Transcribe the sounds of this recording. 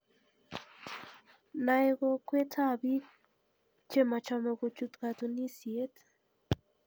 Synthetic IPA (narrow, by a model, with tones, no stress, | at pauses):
na˨e˦ɣɔ˦kwe˦tʰa˦bi˦ | t͡ʃe˦ma˨t͡ʃɔ˧mɛ˨ɣo˨t͡ʃu˦t̪ka˨t̪u˨ni˦sje˦t